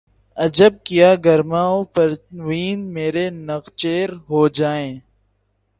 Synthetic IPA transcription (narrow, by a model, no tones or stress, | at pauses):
ɐd͡ʒəb̚kijaːɡɐɾmaːopɐɾʋiːnmeːɾenɐqt͡ʃeːɾɦoːd͡ʒaːẽː